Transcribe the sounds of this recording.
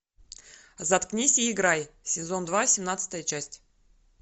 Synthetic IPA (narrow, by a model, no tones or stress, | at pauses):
zat̪knʲesʲɪɪɡɾajsʲɪzo̞nd̪vasʲɪmnat̪sɨ̥t̪əjət͡ɕæsʲtʲ